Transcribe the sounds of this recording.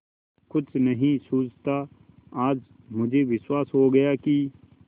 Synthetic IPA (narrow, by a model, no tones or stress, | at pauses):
kʊt͡ʃnɐɦĩsuːt͡ʃt̪a | aːd͡ʒ | mʊd͡ʒʱeʋɪswaːsɦoɡɐjaki